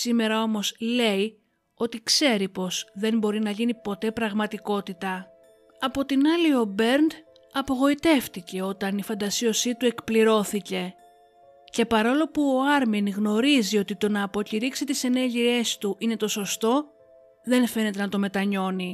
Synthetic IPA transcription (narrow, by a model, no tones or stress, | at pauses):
sime̞ɾɐo̞mo̞sle̞i | o̞t̪ikse̞ɾipo̞zðe̞nbo̞ɾinɐʝinipo̞t̪e̞pɾɐɣmɐt̪iko̞t̪it̪ɐ | ɐpo̞t̪inɐlio̞be̞ɾnd̪ | ɐpo̞ɣo̞it̪e̞ft̪ice̞o̞t̪ɐnifɐnd̪ɐsio̞sit̪ue̞kpliɾo̞θice̞ | ce̞pɐɾo̞lo̞puoɐɾminɣno̞ɾizio̞t̪it̪o̞nɐːpo̞ciɾiksit̪ise̞neɾʝie̞st̪uʔine̞t̪oso̞st̪o̞ | ðe̞nfe̞ne̞t̪̬e̞nɐt̪o̞me̞t̪ɐɲo̞ni